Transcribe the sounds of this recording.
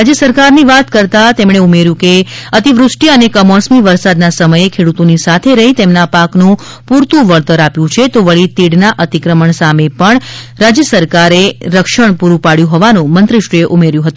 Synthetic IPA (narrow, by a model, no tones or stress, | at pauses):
ɾad͡ʒjəsəɾkaɾniʋat̪kəɾt̪at̪emɽ̃eumeɾjũkeət̪iʋɾʊʂʈiənekəmɔsmiʋəɾsad̪nasəməjekʰeɽut̪onisat̪ʰeɾəɦit̪emnapaknũ | puɾt̪ũʋəɭt̪əɾapjũt͡ʃʰet̪oʋəɭit̪iɽnaʔət̪ikɾəməɳsamepəɳ | ɾad͡ʒjəsəɾkaɾeɾəkʃəɳpuɾupaɽjũɦɔʋanũmənt̪ɾəʃieʔumeɾjũɦət̪ũ